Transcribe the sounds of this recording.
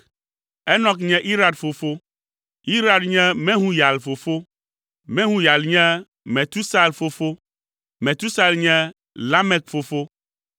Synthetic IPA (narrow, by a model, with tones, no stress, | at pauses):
ɛ˦nɔ̃˦kɲɛ̃˦ʔi˦ɾa˨d̪fo˨fo˦ | i˦ɾa˦d̪ɲɛ̃˦mɛ̃˦ɦũ˦ja˨lfo˨fo˦ | mɛ̃˦ɦũ˦ja˨lɲɛ̃˦ | mɛ̃˨t̪u˦sa˦˨lfo˦fo˦ | mɛ̃˨t̪u˦sa˦˨lɲɛ̃˦ | la˦mɛ˨kfo˨fo˦